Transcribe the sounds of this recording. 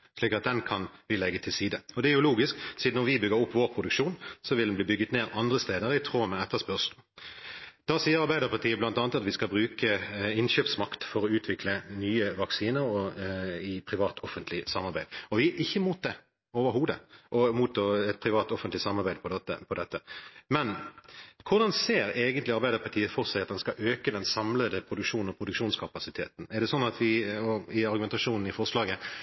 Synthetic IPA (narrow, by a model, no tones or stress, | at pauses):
ʂliːkɑt̪̚d̪ɛnkʰɑnʋɪlɛɡːət̪ʰɪlsiːd̪əɔd̪ɛæɾjʊluːɡɪsksiːd̪nɔɾʋɪbʏɡəɾʊpːʋoːɾpʰʁʊd̪ʉkʃuːnsɔʋɪld̪nbliːbʏɡət̪neːɾɑnd̪ʁəst̪eːd̪əɾɪt̪ʰʁoːmɛɛt̪ʰːəspœʁʂ | d̪̥ɑsiːəɾɑɾbæɪd̪əɾpʰɑt̪iːəblɑnt̪ɑːnət̪ɑt̪ʋɪskɑlbɾʉːkəɪnɕøːpsmɑkt̪fɔɾɔʉːt̪ʰʋɪkʰlənyːəʋɑksiːnəɾɔɪpʰɾɪʋɑːt̪ʰɔfənt̪lɪsɑmɑɾbæɪd̪ɔʋɪʔɪçːəmuːt̪̚d̪ɛ | oːʋəɾɦuːd̪əʔɔmuːt̪ʰːɑːɛt̪̚pʰɾɪʋɑːt̪ɔfənt̪lɪsɑmːɑɾbæɪd̪pʰɔd̪ɛt̪ːə̰pʰɔd̪ɛt̪ːəmɛn | kʰʊɾd̪ɑnseːɾeːɡənt̪lɪɑɾbæɪd̪əɾpʰɑʈ̪ʰiːəfɔɾsæɪɑt̪̚d̪ɛnskɑʔøːkəd̪ɛnsɑmləd̪əpʰɾʊd̪ʉkʂuːnn̩ɔpʰɾʊd̪ʉkʂuːnskʰɑpɑsɪt̪ʰeːt̪n̩ɛʁɖ̪ɛsɔnːɑt̪ʰʋɪɔɪɑɾɡʉmɛnt̪ɑʂuːnn̩ɪfɔʁʂlɑːɡə